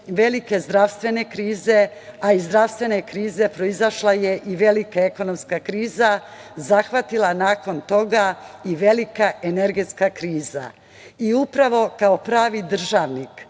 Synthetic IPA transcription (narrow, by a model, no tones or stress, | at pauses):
ʋe̞like̞zd̪ɾaʋst̪ʋe̞ne̞kɾiːze̞ | aizd̪ɾaʋst̪ʋe̞ne̞kɾiːze̞pɾo̞izaʃlaje̞ʔiʋe̞likaeko̞no̞mskakɾiːza | zaxʋat̪ilˠanaːko̞nt̪o̞ɡaiʋe̞likaʔene̞ɾɡet̪skakɾiːza̰ | iupɾaʋo̞kao̞pɾaːʋid̪r̩ʒaːʋnik